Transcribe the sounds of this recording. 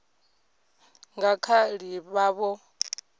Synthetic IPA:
ŋɡakʰaɺiβaβɔ

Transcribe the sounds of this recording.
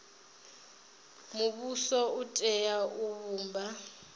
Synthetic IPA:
muβusɔutʼɛjauβuːmba

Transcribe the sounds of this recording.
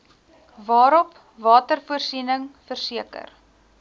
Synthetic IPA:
vɑːɾɔp | vɑːtərfuərsinəŋfərsiəkə̰r

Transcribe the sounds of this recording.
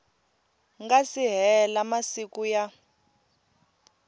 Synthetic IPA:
ŋɡasiɦɛlamasikuja

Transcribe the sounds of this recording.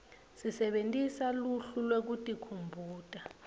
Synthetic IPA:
sisɛɓentʼisaluɬulwek̬utʼikʰumbʱuːtʼa

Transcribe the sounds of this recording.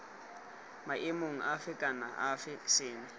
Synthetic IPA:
maʔɪmoŋ̩ʔafɪkʼana̰ʔafɪsɪːŋɪ

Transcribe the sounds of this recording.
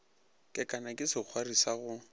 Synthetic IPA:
kʼɪkʼanakʼɪsɪk͡xʰwarisaɣʊ

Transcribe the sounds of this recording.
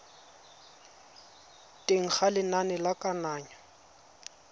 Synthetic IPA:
tʼeŋ̩χalɪnanɛlakʼanaːɲa

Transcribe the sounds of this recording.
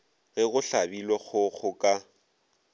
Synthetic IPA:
ɣɪɣʊɬabilwɔɣʊɣʰʊkʼa

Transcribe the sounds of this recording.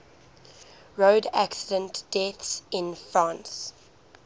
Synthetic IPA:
ɹoːdæ̰ksɪdə̃ntd̥ɛθsɪ̃nfɹãːns

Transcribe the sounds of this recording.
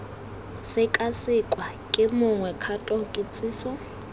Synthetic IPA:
sɪkʼasɪkʼwa | kʼɪmʊŋwɛkʰatʼɔkʼɪt͡sʼiːsɔ

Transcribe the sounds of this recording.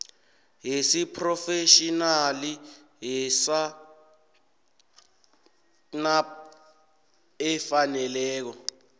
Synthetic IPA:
ɦisipʰrɔfeʃinali | ɦɛsa | na | ɛfanɛlɛːk̬ɔ

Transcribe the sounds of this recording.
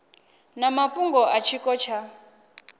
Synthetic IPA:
namapuŋɡɔʔat͡ʃʰikʼɔt͡ʃʰa

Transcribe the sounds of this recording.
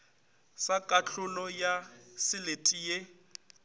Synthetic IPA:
sakʼaɬʊlɔjasɪletʼije

